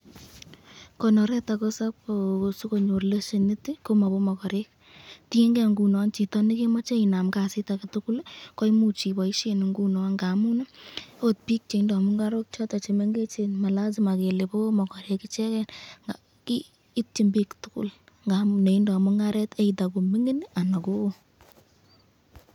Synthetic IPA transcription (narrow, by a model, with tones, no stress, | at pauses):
ko˨nɔ˨ɾɛ˦ta˨ko˦sa˦posu˦ko˨ɲo˨ɾle˦ʃe˨ni˦ti˦ko˦ma˨bo˦mɔ˨kɔ˨ɾek̚ | ti˦e˦ŋɡɛ˦˨ŋɡu˨nɔ˨nt͡ʃi˨tɔ˦ni˦ke˦mɔ˦t͡ʃe˦i˨na˨mka˨sɪ˦ta˨ka˨tʊ˦kʊ˦lkɔ˦i˦mu˨t͡ʃi˨bɔ˨i˦ʃe˦n˨ŋɡu˦nɔ˨ŋɡa˨mu˦n˦o˦t̚pi˦k̚t͡ʃe˨i˦ndɔ˨a˨mu˦ŋɡa˦ɾo˦k̚t͡ʃɔ˦ta˨t͡ʃe˨me˦ŋɡe˦t͡ʃe˨nma˨la˦z̬i˦ma˨ke˨le˨po˦mɔ˨kɔ˨ɾe˨kɪ˦t͡ʃɛ˦kɛ˦nŋa | kiː˦ | t̚t͡ʃi˨mbi˦ktʊkʊ̰˦l | ŋɡa˨mu˨ne˨i˦ndɔ˨a˨mu˦ŋa˦ɾɛ˦te˦ita˨ko˨mi˦ŋe˦n˦a˨na˨ko˦o˦